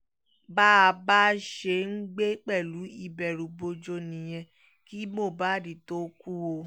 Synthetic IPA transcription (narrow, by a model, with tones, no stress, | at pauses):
ba˦a˧ba˦ʃe˧˦ŋ̩˦ɡ͡be˦k͡pɛ˦˨lu˨˦i˧bɛ˨ɾu˨˦bo˧d͡ʒo˧nĩ˨j̃ɛ̃˧ | ki˦mo˦˨ba˦˨di˨to˦ku˦o˧˦